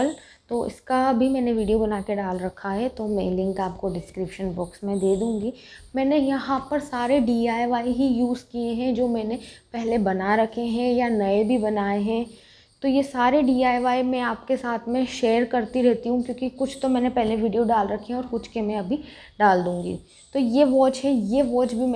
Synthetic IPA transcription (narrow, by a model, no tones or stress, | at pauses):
əl | t̪oːɪ̰skaɐbʱimɛ̃ːneʋiːɖijobɐnaːkeɖaːlɾɐkʰːaɦɛt̪omɛ̃lɪ̃ŋkaːp̚koɖɪskɾɪpʃənbɔːksmẽd̪eːd̪ũːŋɡiː | mɛːnejɐɦãpɐɾsaːɾeɖiːaːjʋaːiɦijuːzkieɦɛ̃d͡ʒoːmɛ̃ːnepɛɦlebɐnaɾɐkʰeɦɛ̃janɐebʱibɐnaːeɦɛ̃ | t̪ojesaːɾeɖiːaːjʋaːimɛ̃aːp̚kesaːt̪ʰmɛ̃ʃeːəɾkɐɾt̪iɾɛɦt̪iɦũkjõːkikʊt͡ʃʰt̪omɛːnepɛɦleʋiːɖijoɖaːlɾɐkʰːeɦɛ̃ɔːɾkʊt͡ʃkemɛ̃ɐbʱi | ɖaːld̪ũːŋɡḭː | t̪ojeːʋɔːt͡ʃɦɛ̃jeːʋɔːt͡ʃbʱi